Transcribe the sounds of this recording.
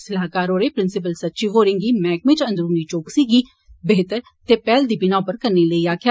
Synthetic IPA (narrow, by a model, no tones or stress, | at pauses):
sɪlaːkaːɾoːɾeːpɾɪnsɪp̬əlsətːʃiːʋoːɾɪŋɡiːmɛ̃ːk̚mɪ̃t͡ʃə̃nd̪əɾuːniːt͡ʃoːksiːɡiː | beːt̪əɾ | t̪eːpɛːld̪iːbɪnaːpəɾkəɾneːləiːaːkʰja